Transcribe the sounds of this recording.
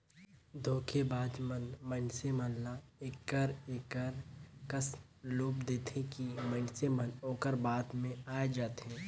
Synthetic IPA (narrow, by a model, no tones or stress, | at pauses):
d̪ʱoːkʰebaːd̪mənmənsemənlaeːkəɾeːkəɾkəsloːpd̪eːt̪ʰekimənsemənoːkəɾbaːt̪mẽaːed͡ʒaːt̪ɦɛ̃ː